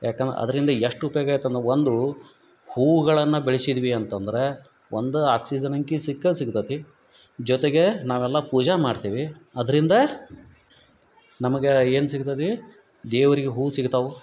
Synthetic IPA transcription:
jaːkend̪ɾɐ̰ɐ̰d̪ɐɾind̪ɐeʂʈupːjoɡaːjt̪ːɐnd̪ɾeond̪u | huːɡɐɭɐnːɐbeɭisid̪ʋiɐnt̪ɐnd̪ɐɾe̞ | ʔond̪uaːksid͡ʒɐnɐŋkisikːɐsiɡt̪ɐt̪i | d͡ʒɔt̪eɡe̞naːʋɛlːɐpuːd͡ʒɐmaːɖt̪iʋiɐd̪ɐɾind̪ɐ | nɐmɐɡeeːnsiɡt̪ɐt̪i | d̪eːʋɐɾiɡeɦuːsiɡt̪ɐʋu

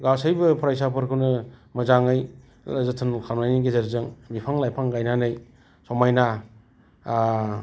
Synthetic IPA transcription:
ɡawsajbɯpʰɾajsapʰɯɾkʰɯwnɯmɐzaŋɯj | lazɯtʰɯnkʰalmajniɡezɐɾzɯŋbipʰaŋlajpʰaŋɡajnanɯj | sɔmajna

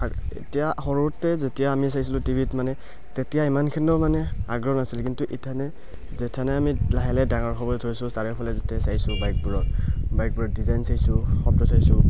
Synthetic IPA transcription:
aḛtijaxɔɹuɹɔtːɛzetijaːmis̬ajsilʊtibʱitmanɛ | tetijaimankʰindɔmanɛaɡɹɔnasilkintuʔitʰanɛ | zɛtʰanɛamilaɦɛlɛdaŋɔɹkʰɔbɔlɛtʰɔɹsʊsaɹɛpʰalɛzɛtasajsʊbajk̚buɹɔtbajk̚buɹɔdizajnsajsʊxɔp̚dɔsajsʊ

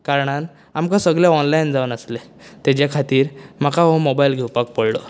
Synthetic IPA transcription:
kaɾɳ̃an | amkãsəɡɭeɔnlajnd͡zaunəsle | t̪ed͡ʑakʰat̪iːɾm̤akaɦomobailɡʱewpak̚pəɽlo

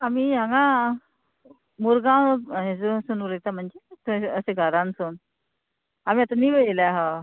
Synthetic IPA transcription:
amiːãŋɡã | muɾɡãwɦed͡zuəsunuɾəɡ̚t̪am̤əɳd͡zet̪əseɡʱəɾãnson | amiat̪aniʋəelaɦa

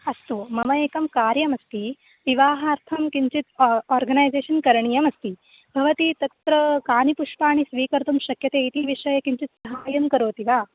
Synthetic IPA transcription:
ɐst̪umɐmɐjeːkɐmkaːɾjɐmɐst̪i | ʋiʋaːɦaːɾt̪ʰɐmkiɲt͡ʃit̪oːɾɡɐnaːjzeːʃɐnkɐɾɐɳijɐmɐst̪i | bʱɐʋɐt̪it̪ɐkt̪ɾɐkaːnipuʂpaːɳisʋiːkɐɾt̪umʃɐkjɐt̪eːit̪iʋiʂɐjɐkiɲt͡ʃit̪sɐɦaːjɐmkɐɾoːt̪iʋaː

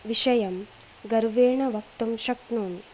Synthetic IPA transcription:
ʋiʃɐjɐm | ɡɐɾuʋeːɳɐʋɐk̚t̪ɐmʃɐk̚nuːn

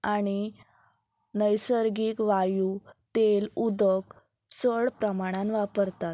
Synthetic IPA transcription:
aɽ̃i | nəjsəɾɡiːkʋajut̪elud̪ək | t͡səɭpɾəmaɽ̃ãnʋapəɾt̪at̪̚

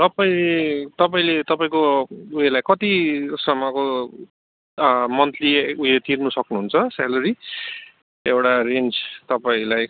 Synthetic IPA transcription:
t̪ʌpaĩlet̪ʌpaĩlet̪ʌpaĩkouelajkʌt̪isʌmʌko | mʌnt̪ʰliuet̪ʰirnusʌknuɦunt͡sʰʌsaloɾi | ewʈarend͡zt̪ʌpaĩlaj

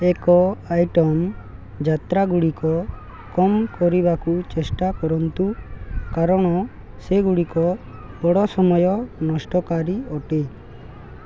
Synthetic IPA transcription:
ɛkɔajʈɔm | d͡ʒat̪ɾaɡuɽikɔ | kɔmkɔɾibakut͡ʃesʈakɔɾɔnt̪ukaɾɔɽ̃ɔ | seɡuɽikɔ | bɔɽɔsɔmɔjɔnɔsʈɔkaɾiɔʈi

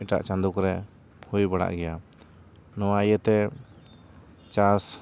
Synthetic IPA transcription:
iʈa̰ʔt͡ʃãnd̪ukɾɛ | pʰujbaɽa̰ʔɡɛja | nɔajət̪ɛ | t͡ʃas

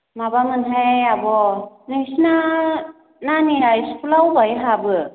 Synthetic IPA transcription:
mabamɯnɦajabɔnɯsna | naniɾajskʰulawbajɦabɯ

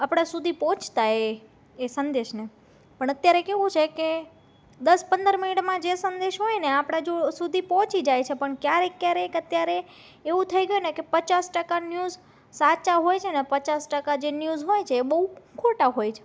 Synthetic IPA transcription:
apɽ̃asud̪ʱipɔ̃t͡ʃt̪aeː | sənd̪eʃne | pəɳət̪jaɾekeʋũt͡ʃʰeke | d̪əspənd̪əɾmɪniʈmãd͡ʒesənd̪eʃɦojneapɽ̃ad͡ʒosud̪ʱipɔ̃t͡ʃid͡ʒajt͡ʃʰepəɳkjaɾekjaɾekət̪jaɾeː | ʋũt̪ʰəiɡəjunekepət͡ʃasʈəkanjuz | sat͡ʃaɦojt͡ʃʰenepət͡ʃasʈəkad͡ʒenjuzɦojt͡ʃʰeːbəɦukʰoʈaɦojt͡ʃʰe̥

